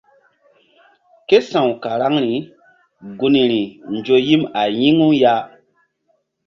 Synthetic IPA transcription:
ke˦sã˨wka˨ɾa˦ŋɾi˨ | ɡu˨ni˨ɾi˨nd͡ʒo˨ji˦ma˨ji˦ŋu˦ja˦

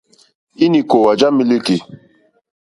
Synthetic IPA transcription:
i˦ni˨ko˨wa˨d͡ʒa˦mi˦li˦ki˨

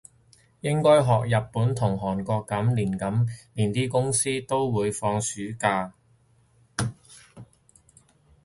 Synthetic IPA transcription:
jɪ˥ŋkɔː˥jɦɔː˨k̚jɐ˨p̚pːuː˨˥nt̪ʰʊ˨˩ŋɦɔː˨˩nkɔː˧kːɐ˨˥mliː˨˩nkɐ˨˥mliː˨˩nt̪iː˥kʊ˥ŋsiː˥t̪o˥wwuː˨˧jfɔː˧ŋsyː˨˥kaː˧

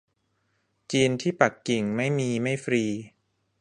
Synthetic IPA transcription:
t͡ɕiː˧nt̪ʰiː˥˩pa˨˩kːi˨˩ŋma˥˩jmiː˧ma˥˩jfɾiː˧

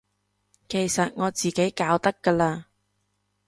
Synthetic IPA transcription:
ke˨˩jsɐ˨t̚ŋɔː˨˧t͡siː˨ke˨˥jkaː˨˧wt̪ɐ˥kːɐː˧laː˧

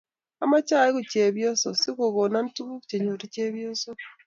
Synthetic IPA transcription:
a˨ma˦t͡ʃa˦˨i˦ku˨t͡ʃe˨βjo˦so˨si˦ɣo˨ɣo˨na˦n˦tu˦βu˦ku˨t͡ʃe˨ɲo˨ɾi˦ce˦βjo˦so˦

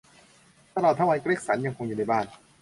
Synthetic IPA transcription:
t̪a˧lɔː˨˩t̪ʰːa˥˩wa˧˥jkɾeː˥˩k̚sa˩˦nja˧ŋkʰo˧ŋjuː˨˩na˥˩jbaː˥˩n

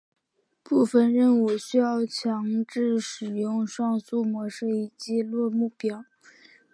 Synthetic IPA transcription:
pu˥˩fə˩nɻə˥˩nwɔ˨˩ɕy˥jɑ˥˩ʊt͡ɕʰjɑ˧˥ŋʈ͡ʂɻ̩˥˩ʂɻ̩˨˩jʊ˥˧ŋʂwɑ˥˧ŋsu˥˩mwɔ˧˥ʂɤ˥˩i˨˩t͡ɕjɛ˥˧lwɔ˥˧mu˥˩pjɑ˥˩˦ʊ

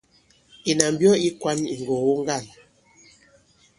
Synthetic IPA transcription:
i˨na˨m˦bjɔ˦i˦kwa˦ni˨ŋ˨ɡo˨wo˦ŋ˦ɡa˦˨n

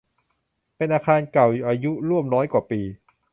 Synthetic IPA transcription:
pe˧nʔaː˧kʰaː˧nka˨˩wʔaː˧ju˦˥ɾu˥˩əmnɔː˦˥jkwaː˨˩piː˧

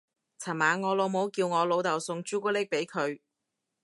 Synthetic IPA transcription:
t͡sʰɐ˨˩maː˨˥ŋɔː˨˧lo˨˧wmo˨˥wkiː˧wŋɔː˨˧lo˨˧wt̪ɐ˨˩wsʊ˧ŋt͡ʃyː˥ku˥lɪ˥k̚pe˨˥jkʰɵ˨˧ɥ

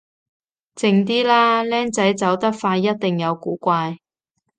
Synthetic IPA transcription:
t͡sɪ˧ŋt̪̬iː˥laː˥lɛː˥ŋt͡sɐ˨˥jt͡sɐ˨˥wt̪ɐ˥k̚faː˧jːɐ˥t̚t̪ɪ˨˩ŋjɐ˨˧wkuː˨˥kʷaː˧j

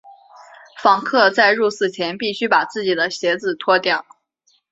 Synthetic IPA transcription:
fɑ˧˥ŋkʰɤ˥˧t͡sa˥˧ɪɻu˥˧sɹ̩˥˩t͡ɕʰjɛ˧˥npi˥˩ɕy˥pa˨˩t͡sɹ̩˥˩t͡ɕi˨˩d̪ə˦ɕjɛ˧˥d͡zɹ̩˨˩t̪ʰwɔ˥t̪jɑ˥˩ʊ

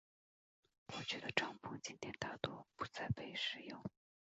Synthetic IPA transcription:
wɔ˨˩t͡ɕʰɛ˥d̪ə˧˩ʈ͡ʂɑ˥˩ŋpʊ˥˩ŋt͡ɕi˥nt̪jɛ˥˧˩nt̪a˥˩t̪wɔ˥pu˧˥t͡sa˥˩ɪpe˥˩ɪʂɻ̩˥˧˩jʊ˥˩ŋ

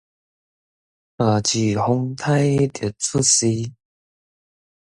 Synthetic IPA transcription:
ə˨˩t͡ɕi˨˩hʊ˧˥ŋt̪ʰa˥jt̪ə˨˩t͡sʰu˥˨si˧˦

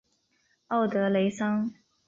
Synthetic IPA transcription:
o˥˩ʊt̪ɤ˧˥le˧˥ɪsɑ˥ŋ

